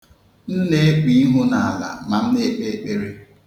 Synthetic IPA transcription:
n̩˦ne˦k͡pi˨˦ɦʊ˦na˨a˨la̰˨ma˨n̩˦ne˦k͡pe˦e˦k͡pe˦ɾe˦

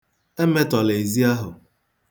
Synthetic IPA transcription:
e˦me˦tɔ˨le˨i˨zi˦a˦ɦʊ˨

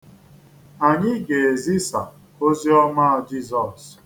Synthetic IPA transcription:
a˨ɲɪ˦ɡe˨e˨zi˦sa̰˨ | o˦zi˦ɔ˦ma˦a˨d͡ʒi˦˨zɔ˨s

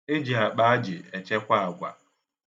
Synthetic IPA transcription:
e˦d͡ʒi˨ɦa˨k͡pa˦a˦d͡ʒɪ˨e˨t͡ʃe˦kʷa˦a˨ɡʷa̰˨

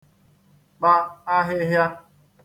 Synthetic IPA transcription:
k͡pa˦a˦ɦɪ˦ɦja˦

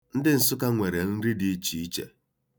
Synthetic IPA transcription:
n̩˦dɪ˦n̩˨sʊ˦ka˦ŋʷe˨ɾe˨n̩˦ɾi˦di˨˦t͡ʃi˨i˦t͡ʃḛ˨

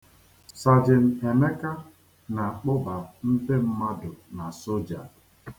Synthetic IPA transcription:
sa˨d͡ʒɪ˨n̩˨e˨me˦ka˦ | na˨k͡pʊ˦ba˨n̩˦de˦m̩˦ma˦dʊ˨na˨so˦d͡ʒa̰˨

